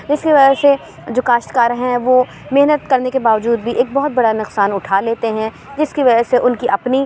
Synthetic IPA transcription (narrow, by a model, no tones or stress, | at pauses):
d͡ʒɪskiʋɐd͡ʒəɦse | d͡ʒoːkaːʃʈkaːɾɦɛ̃ʋoː | mɪɦnət̪kɐɾnekebaːʋəd͡ʒuːd̪bʱiʔeːk̚bɔɦʊt̪̚bɐɽanʊqsaːnʊʈʰaːleːt̪eɦɛ̃ | d͡ʒɪskiʋɐd͡ʒəseʔʊnkiʔɐpni